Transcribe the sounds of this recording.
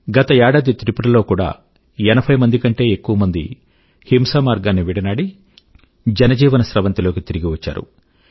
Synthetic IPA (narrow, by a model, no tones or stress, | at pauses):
ɡɐt̪ɐɛːɽaːd̪it̪ɾipuɾɐlo̞ːkuːɽa̰ː | ɛnɐpʰɐjmɐnd̪ikɐɳʈe̞ːekːuʋɐmɐnd̪ḭ | himsaːmaːɾɡaːnːiʋiɽɐnaːɽi | d͡ʒɛnɐd͡ʒiːʋɐnɐsɾɐʋɐnt̪ilo̞ːkit̪iɾiɡiʋɐt͡ʃːa̰ːɾṵ